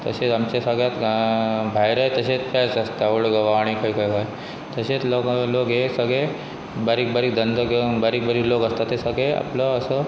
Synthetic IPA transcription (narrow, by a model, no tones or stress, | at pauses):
t̪ə̰set͡samt͡ɕesəɡɭjat̪ | bʱajɾajt̪əɕet͡spasəst̪aəɽɡəʋaːɽ̃ikaikajkaj | t̪əɕet͡sloklokɦesəɡɭe | baɾiːk̚baɾiːk̚d̪ənd̪əɡbaɾiːk̚bəɾiːklokəst̪at̪esəɡɭea̰pləːsə